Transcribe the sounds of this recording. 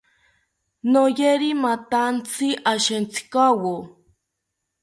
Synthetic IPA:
nojeɾimat̪ant͡sʰiʔaʃent͡sʰi̥kawo

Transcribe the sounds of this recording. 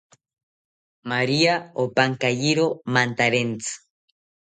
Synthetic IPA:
maɾiaopaŋkajiɾomant̪aɾent͡sɨ̥

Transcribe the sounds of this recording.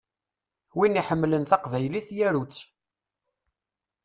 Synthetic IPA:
winiħəmːlənθɑqvæjliθjæɾut͡sː

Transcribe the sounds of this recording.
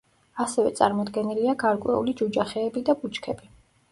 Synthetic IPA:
asɛvɛ̰t̪sʼa̰ɾmɔd̪ɡɛniliaɡaɾkʼwɛ̰ṵlid͡ʒud͡ʒaχɛːbid̪abut͡ʃʼkʰɛbi

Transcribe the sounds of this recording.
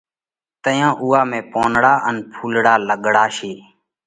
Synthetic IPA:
t̪əjãːʔuːaːmẽːpoːnɽaːʔənpʰuːlɽaːləɠɽaːʃeː

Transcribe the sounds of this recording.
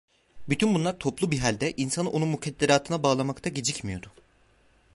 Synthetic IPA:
byt̪ʰynbunlˠaɾt̪ʰo̞plˠubiɦalʲd̪ɛʔinsano̞nunmucʰɛd̪ːeɾaːt̪ʰɯnabaːlˠamakt̪ʰaɟed͡ʒicmijo̞d̪ʊ

